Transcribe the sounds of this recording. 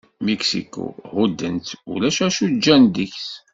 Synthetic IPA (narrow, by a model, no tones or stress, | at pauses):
miksḭkṵhud̪ːənt̪ṵlæʃæʃud͡ʒːænd̪içs